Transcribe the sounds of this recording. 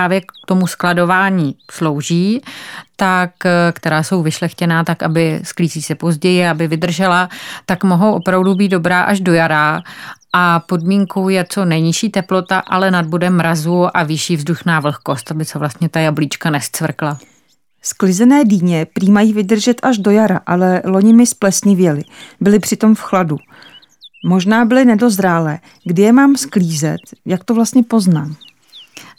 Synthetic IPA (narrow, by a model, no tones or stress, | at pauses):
aːvjɛkt̪o̞musklado̞vaːɲiːslo̞wʒiːt̪akkt̪ɛɾaːso̞wvɪʃlɛxcɛnaːt̪aka̰bɪskliːziːsɛpo̞zɟɛjɪaabɪvɪd̪r̩ʒɛlat̪akmoɦo̞wʔo̞pɾavdubiːt̪̚do̞bɾaːʔaʒdo̞jaɾaːʔapo̞dmiːŋko̞wjɛt͡so̞nɛɲɪʃiːt̪ɛplo̞t̪aʔalɛnad̚budɛmːɾazuʔavɪʃiːvzduʃnaːvl̩xko̞st̪ʔabɪsɛvlast̪ɲɛt̪ajablit͡ʃkanɛst͡svr̩kla | sklɪzɛnɛːdiːɲɛpɾiːmajiːvɪdr̩ʒɛt̪ʔaʒdo̞jaɾaʔalɛlo̞ɲɪmɪsplɛsɲɪvjɛlɪbɪlɪpr̝̥ɪt̪o̞mfxladu | mo̞ʒnaːbɪlɪnɛdo̞zɾaːlɛː | ɡdɪjɛmaːmskliːzɛ̰t̪jak̚t̪ovlast̪ɲɛpo̞znaːm